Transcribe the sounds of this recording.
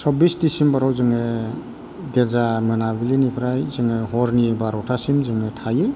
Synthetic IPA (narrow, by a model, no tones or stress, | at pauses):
sɔbistisimbaɾawzɯŋɯ | ɡezamɯnabilinipʰɾajzɯŋɯɦɔɾnibaɾɔtʰasimzɯŋɯtʰajɯ